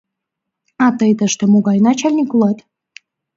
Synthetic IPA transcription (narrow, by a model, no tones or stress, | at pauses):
ɑt̪əjt̪əʃt̪ĕmoɡɑjnɑt͡ɕalʲnʲikulˠɑt̪